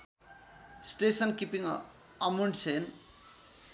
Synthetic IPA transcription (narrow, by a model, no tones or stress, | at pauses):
sʈesʌnkipiŋ | ʌmuɳʈsen